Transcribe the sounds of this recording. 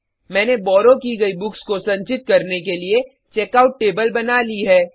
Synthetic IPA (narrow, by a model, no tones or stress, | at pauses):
mɛ̃ːnebɔːɾokiɡɐibʊkskosɐ̃ɲt͡ʃɪt̪̚kɐɾnekelie | t͡ʃeːkaːʊʈʈeːbəlbɐnaliɦɛː